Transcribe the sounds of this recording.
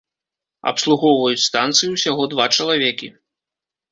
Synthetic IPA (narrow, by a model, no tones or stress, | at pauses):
ɐ̰pslˠuɣɔwvɐjut͡sʲst̪ant̪sɨjuwsʲaɣɔd̪vat͡ʂɐlˠavʲɛkʲḭ